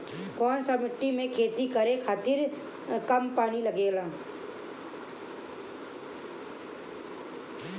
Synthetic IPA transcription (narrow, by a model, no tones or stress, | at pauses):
kɔːnsamɪʈːimẽkʰeːt̪ikəɾekʰaːt̪iɾ | kəmpaːniləɡeːlãː